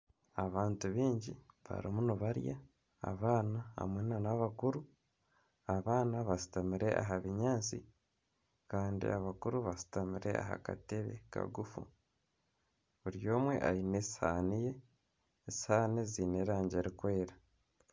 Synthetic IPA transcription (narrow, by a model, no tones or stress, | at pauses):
aβaːntuβiːɲɟḭβa̰ɾimunuβaɾja̰ː | βaːnaa̰mweːnanaβakuɾu | aβaːnaβasi̥tamiɾe̞ʔa̰ɦaβiɲaːt͡sḭ | kaːndḭaβakuɾuβasi̥tamiɾe̞̰a̰ɦa̰ka̰teβḛka̰ɡufṵ | βuɾjo̞ːmwe̞̰ʔaineshaːnije̞ː | shaːniziːneːɾaːɲɟe̞ɾikwe̞ːɾa